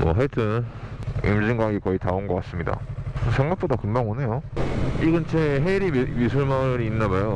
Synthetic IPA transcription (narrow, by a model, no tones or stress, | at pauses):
mʌ̰ɦetʰɯn | ḭmd͡ʑiŋɡwaɡikʌitaonɡʌk͈as͈ɯmɲida̰sʰe̞ŋɡak̚p͈odakɯmbaŋone̞joiɡɯnt͡ɕʰeɦeɾimisʰuɭmaɾiːnːabajo